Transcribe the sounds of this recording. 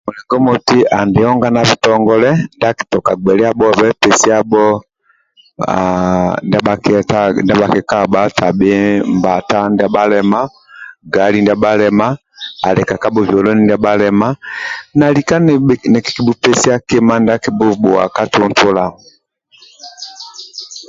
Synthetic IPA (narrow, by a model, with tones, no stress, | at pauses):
mu˨lɛ˨ŋɡɔ˦mɔ˨ti˦ʔa˨ndɛ˨ɔ˦ŋɡa˦na˨vi˨tɔ˨ŋɡɔ˦lɛ˦nda˦ki̥˨tɔ˨ka˨ɡ͡bɛ˨lɛ˦a˦bɔ˦vɛ˦pɛ˨si˦a˦bɔ˦ | nda˦ba˨kta˦nda˦βa˨kɛ˨ka˦ba˦ta˨be˦mba˨ta˦nda˦ba˦lɛ˦ma˦ | ɡa˨li˦nda˦ɓa˦lɛ˨ma˦ | a˨lɛ˨ka˨ka˦bɔ˦vjɔ˨lɔ˦ni˦nda˦ba˦lɛ˦ma˦na˨li˨ka˦nnɛ˨ki̥˨ki˨bu˦pɛ˦si˦a˦ke˦ma˦nda˦ki˨bu˦bu˨a̰˨ka˦tɔ˦ntʰu˦la˨ɔ˨